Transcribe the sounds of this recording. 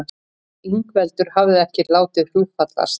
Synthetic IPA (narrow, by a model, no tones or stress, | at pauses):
iŋkvɛlt̪ʏɾ̥havðɪðɛhcɪɾlaːwt̪ɪðr̥uːðfat̪la̰s